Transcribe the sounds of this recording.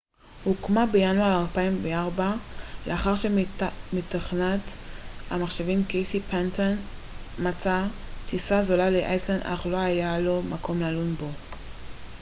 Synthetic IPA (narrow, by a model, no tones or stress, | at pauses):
hukmabejanuaʁalpaimveaʁbaleaχaʁʃemitaχnata̰maχʃevimkejsipant̪on | mat͡sa | tisazolaleʔa̰jsland̪a̰χlo̞ajalo̞makʰo̞mlalunbo